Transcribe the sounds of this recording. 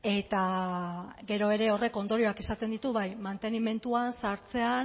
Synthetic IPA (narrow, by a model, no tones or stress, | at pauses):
e̞t̪a | ɡe̞ɾo̞e̞ɾe̞o̞re̞ko̞nd̪o̞ɾio̞akisat̪e̞nd̪it̪uβajmant̪e̞nime̞nt̪uansaɾt͡se̞a